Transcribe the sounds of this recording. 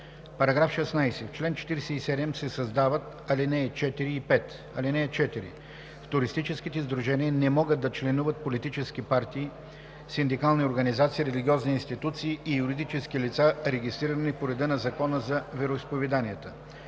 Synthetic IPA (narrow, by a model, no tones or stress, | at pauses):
pɐɾɐɡɾafʃɛsnajsɛft͡ʃlɛnt͡ʃɛ̥t̪iɾsɛisɛd̪ɛmsɛsɐzd̪avət̪ | ɐlinɛɛt͡ʃɛt̪iɾiːpɛt̪ | ɐlinɛːt͡ʃɛt̪iɾḭ | ft̪ʊɾist̪it͡ʃɛskit̪ɛzd̪ɾuʒɛniənɛmɔɡəd̪̚d̪ɐt͡ʃlɛnuvət̪̚polit̪it͡ʃɛsk̟ipaɾt̪iː | sind̪ikalˠnioɾɡɐnizat̪siːɾɛliɡʲiɔzniːnst̪it̪ut̪siːijuɾid̪it͡ʃɛsk̟ilit̪saɾɛɡʲist̪ɾiɾənipoɾɛd̪ənɐzɐkɔnəzɐvɛɾoispovɛd̪anʲiət̪ə